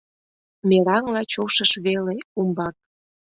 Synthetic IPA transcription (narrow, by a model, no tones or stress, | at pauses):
mʲeɾɑŋlɑt͡ɕoʃəʃβeleumbɑk̚